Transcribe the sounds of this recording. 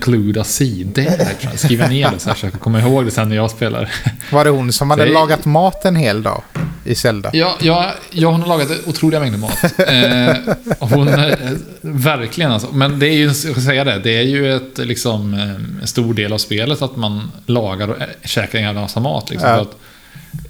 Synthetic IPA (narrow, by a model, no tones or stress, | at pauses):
kʰlʉːd̪asiːd̪ə̰ɾa̰skiːvaneːɾɔsaːfəʂøːkakʰɔmːaɪɦoːɡd̪ɛsɛnːɛjɑːɡspeːlʔa̰ɾ | vaɾɛhʊnsɔmhad̪ːəlɑːɡat̪mɑːt̪ɛnheːld̪ɑ̰ːɪsɛld̪a̰jɑːjɑːjɑːhʊnhaɾlɑːɡat̪ʊt̪ʰɾuːlɪɡamɛŋd̪əmɑ̰ːt̪ | hʊn | væɾkʰlɪɡənalsɔmɛnd̪ɛæjɵɛnjɑkasɛjːad̪ɛd̪ɛæɾjɵɛt̪lɪksɔmɛ̰nst̪uːɖeːlavspeːlət̪at̪manlɑːɡaɾɔʂɛːkɾɪŋaɾsamɑ̰ːt̪ʰlɪ̰kɔmfœɾat̪